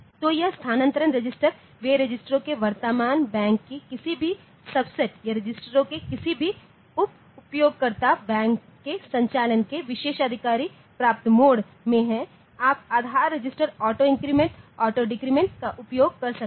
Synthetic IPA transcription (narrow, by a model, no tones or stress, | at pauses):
t̪ojɐɦst̪ʰaːnə̃nt̪əɾənɾɐd͡ʒɪsʈəɾ | ʋeːɾɐd͡ʒɪsʈɾõkeʋɐɾt̪əmaːnbɛ̃ːŋkːikɪsibʱi | sɐbseʈjɐɾɪd͡ʒɪsʈəɾõkekɪsibʱi | ʊp̚ | ʊpjoːɡ̚kɐɾt̪abɛ̃ːŋkːesɐ̃ɲt͡ʃaːlənkeʋɪʃeːʃɐd̪ʱɪkaːɾi | pɾaːp̚t̪əmoːɽ | mẽɦɛ̃ | aːp̚aːd̪ʱaːɾːɐd͡ʒɪsʈəɾɔːʈoɪ̃ŋkɾiːmẽɳʈɔːʈoɖɪkɾiːmẽɳʈkaʔʊpjoːɡ̚kɐɾsɐk